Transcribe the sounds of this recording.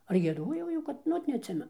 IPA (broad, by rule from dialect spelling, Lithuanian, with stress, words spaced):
ɐr ɡʲiɛˈdoːjɛʊ ˈjɛʊ ˈkɐt nʊ ˈoːt nʲɛɐtʲˈsʲɪmʲɛnʊ